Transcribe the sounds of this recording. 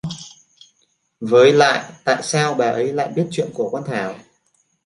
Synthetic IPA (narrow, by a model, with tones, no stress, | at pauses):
vəː˨˦jla̰ː˧˨jt̪a̰ː˧˨jsaː˧wɓaː˨˩ʔə˨˦jla̰ː˧˨jɓi˦˥ət̚t͡ɕwḭ˧˨ənku˧˩əkwaː˧nt̪ʰaː˧˩w